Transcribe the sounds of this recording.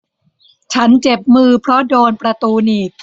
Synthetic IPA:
t͡ɕʰa˦˥nt͡ɕe˨˩p̚mɯː˧pʰɾɔ˦˥doː˧npɾa˧t̪uː˧niː˨˩k̚

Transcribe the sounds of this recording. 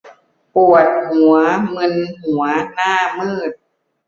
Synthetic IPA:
pu˨˩ət̪̚hu˩˦ɐmɤ˧nhu˩˦ɐnaː˥˩mɯː˥˩t̪̚

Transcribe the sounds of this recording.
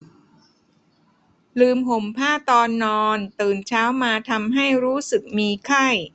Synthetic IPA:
lɯː˧mɦo˩˦mpʰaː˥˩t̪ɔː˧nːɔː˧nt̪ɯː˨˩nt͡ɕʰaː˦˥wmaː˧t̪ʰa˧mɦa˥˩jɾuː˦˥sɯ˨˩k̚miː˧kʰa˥˩j

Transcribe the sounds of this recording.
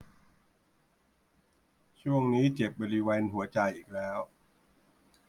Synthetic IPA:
t͡ɕʰu˥˩əŋniː˦˥t͡ɕe˨˩p̚bɔː˧ɾi˦˥weː˧nɦu˨˩˦ɐt͡ɕa˧jʔiː˨˩k̚lɛː˦˥w

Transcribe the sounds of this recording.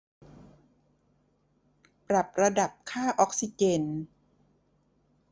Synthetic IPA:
pɾa˨˩p̚ɾa˧da˨˩p̚kʰaː˥˩ʔɔː˦˥k̚si˧t͡ɕe˧n

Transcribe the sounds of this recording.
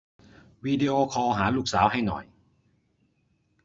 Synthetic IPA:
wiː˧de˧ʔoː˧kʰɔː˧ɦaː˩˦luː˥˩k̚saː˩˦wɦa˥˩jnɔ̰˨˩j

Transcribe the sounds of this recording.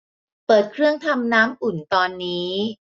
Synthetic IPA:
pɤː˨˩t̪̚kʰɾɯ˥˩əŋt̪ʰa˧mnaː˦˥mʔu˨˩nt̪ɔː˧nːiː˦˥

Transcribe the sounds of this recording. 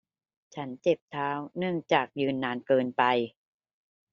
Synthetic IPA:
t͡ɕʰa˦˥nt͡ɕe˨˩p̚t̪ʰaː˦˥wnɯ˥˩əŋt͡ɕaː˨˩k̚jɯː˧nːaː˧nkɤː˧npa˧j

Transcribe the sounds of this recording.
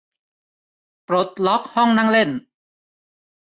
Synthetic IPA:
pɾo˨˩t̪̚lɔ˦˥k̚hɔ˥˩ŋna˥˨ŋle˥˩n

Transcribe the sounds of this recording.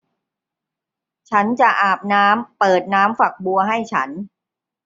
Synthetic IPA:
t͡ɕʰa˦˥nt͡ɕa˨˩ʔaː˨˩p̚naː˦˥mpɤː˨˩t̪̚naː˦˥mfa˨˩k̚bu˧ɐɦa˥˩jt͡ɕʰa˦˥n

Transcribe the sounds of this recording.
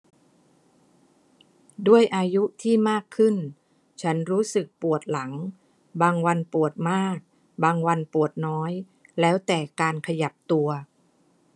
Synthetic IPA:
du˥˩əjʔaː˧ju˦˥t̪ʰiː˥˩maː˥˩kʰːɯ˥˩n | t͡ɕʰa˦˥nɾuː˦˥sɯ˨˩k̚pu˨˩ət̪̚la˩˦ŋ | baː˧ŋwa˧npu˨˩ət̪̚maː˥˩k̚ | baː˧ŋwa˧npu˨˩ət̪̚nɔː˦˥j | lɛː˦˥wt̪ɛː˨˩kaː˧nkʰa˧ja˨˩p̚t̪u˧ɐ

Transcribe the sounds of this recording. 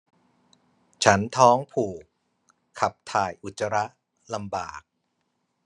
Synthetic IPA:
t͡ɕʰa˦˥nt̪ʰɔː˦˥ŋpʰuː˨˩kʰː | a˨˩p̚t̪ʰaː˨˩jʔu˨˩t̪̚t͡ɕːa˧ɾa˦˥ʔ | la˧mbaː˨˩k̚

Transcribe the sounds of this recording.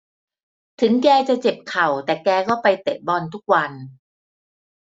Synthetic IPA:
t̪ʰɯ˩˦ŋkɛː˧t͡ɕa˨˩t͡ɕe˨˩p̚kʰa˨˩wt̪ɛː˨˩kɛː˧kɔː˥˩pa˧jt̪e˨˩p̪̚bɔː˧˩nt̪ʰu˦˥˩k̚wa˧n

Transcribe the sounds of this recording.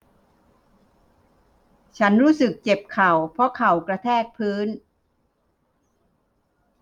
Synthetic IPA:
t͡ɕʰa˦˥nɾuː˦˥sɯ˨˩k̚t͡ɕe˨˩p̚kʰa˨˩wpʰɾɔ˧˥kʰa˨˩wkɾa˧t̪ʰɛː˥˩k̚pʰɯː˦˥n

